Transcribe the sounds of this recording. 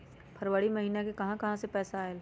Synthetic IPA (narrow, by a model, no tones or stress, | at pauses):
pʰɐɾwəɽimɐɦiːnakekɐɦãkɐɦãsepɛːsaːel